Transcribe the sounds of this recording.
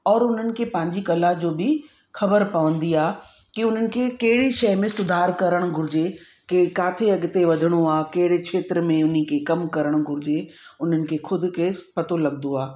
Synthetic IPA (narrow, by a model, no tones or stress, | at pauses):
ɔːɾʊn̤ənɪ̆kʰepɐ̃ɦɪ̃ɲd͡ʑikɐlad͡ʑoːbɪ | xɐbəɾpɐʋə̃nd̪iaːkiʊn̤ənɪ̆kʰekɐɦɪɽiʃɐɪmẽsʊd̪ʱaːɾkɐɾəɽ̃ɡʱʊɾɪd͡ʑe | kekaːt̪ʰeɐɠt̪eʋɐd̪ʱɪɽ̃uaːkɐɦɪɽet͡ʃʰeːt̪ɾəmẽʊnikʰekɐmkɐɾəɽ̃ɡʱʊɾɪd͡ʑeʊn̤ənɪ̆kʰeːxʰʊd̪ʱɪ̆kepɐt̪olɐɡnd̪oaː